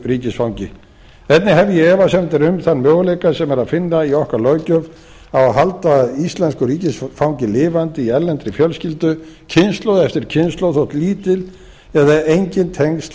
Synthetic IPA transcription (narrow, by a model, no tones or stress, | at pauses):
riːcɪsfawɲcɪ | ɛt̪nɪɦɛvjɛɛːvasɛmt̪ɛɾʏmθanːmjœːɣʏlejkasɛmɛɾaðfɪnːaiɔhkalœːɥcœv | awaɦalt̪aist̪lɛnskʏɾiːcɪsfawɲcɪlɪːvant̪ɪiɛɾlːɛnt̪ɾɪfjœlscɪlt̪ʏcʰɪnst̪lowðɛft̪ɪɾ̥cʰɪnst̪lowθowht̪liːt̪ɪl | ɛðaejɲcɪnt̪ʰeŋst̪